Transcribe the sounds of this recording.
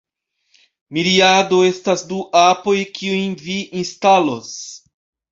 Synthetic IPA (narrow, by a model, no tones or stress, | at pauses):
miɾiad̪oest̪azd̪uʔapojkʰiuj̃viĩnst̪alos